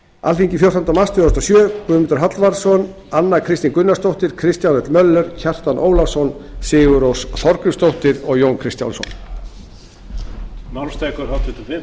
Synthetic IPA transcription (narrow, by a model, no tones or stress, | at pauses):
a̰lfiɲcɪfjow̥rt̪ɔnt̪amast̪ʰʏðɔɾst̪ɔsjœːkvʏːmɪnt̪ʏ̥ɾɦat̪lvaɾsɔn | anːakʰɾɪst̪inkʏnːast̪owht̪ɪɾ̥kʰɾɪst̪janɛt̪lmœlːʏɾ̥cʰɛr̥t̪anʔoːwlasɔnsɪːɣʏɾowsθɔɾkɾʏmst̪owht̪ɪɾɔɣjownkʰɾɪst̪ja̰nsɔ̰n | mawmst̪aːjkɔɾhawt̪ʰʏt̪ʏfɪm